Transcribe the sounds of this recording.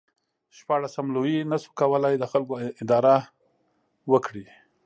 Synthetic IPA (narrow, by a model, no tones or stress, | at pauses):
ʃpɑɽasamlojinasu̥kawəlajd̪əxalkoɪd̪ɑɾa | wəkɽi